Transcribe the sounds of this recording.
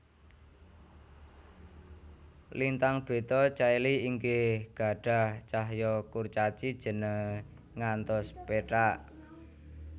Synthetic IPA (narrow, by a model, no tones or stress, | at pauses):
lint̪aŋb̥e̤t̪ɔt͡ʃailiiŋkehɡ̥a̤ɖ̥a̤ht͡ʃaɦjɔkurt͡ʃat͡ʃid̥ʒ̥ə̤nə | ŋant̪ɔspeʈaʔ